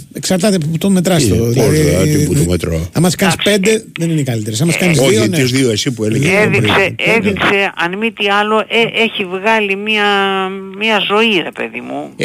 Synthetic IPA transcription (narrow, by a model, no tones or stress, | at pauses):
eksɐɾt̪ɐt̪epput̪ome̞t̪ɾɐst̪oðilɐðiipuomet̪ɾo̰ɐmɐskɐnispend̪e̞ðeninekɐlit̪eɾesɐmɐskɐnizðoðionozðioesipueleeðikseeðikseɐnmit̪iɐloʔeeçivɣɐlimiɐmiɐzo̞iɾepḛðimu